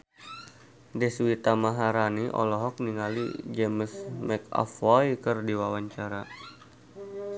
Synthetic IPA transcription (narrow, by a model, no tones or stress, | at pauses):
dɛswit̪amaɦaɾaniʔɔ̰lɔɦɔk̚niŋalḭd͡ʒɛməsmɛkɔ̰fɔjkərdiwawaɲt͡ʃaɾa